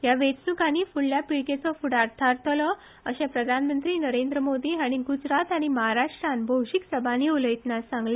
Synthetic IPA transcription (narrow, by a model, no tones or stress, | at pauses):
jaʋet͡snukaniːfuɽljapiɭket͡sɔfuɽaɾt̪ʰaɾt̪ʰəlɔ | əɕɛ̃pɾəd̪ʱanmənt̪ɾiːnəɾend̪ɾəmod̪iːaɽ̃iɡud͡zɾat̪aɽ̃iməɦaɾaʂʈɾanbʱəwɕiksəbʱaniuləjt̪nasãŋɡle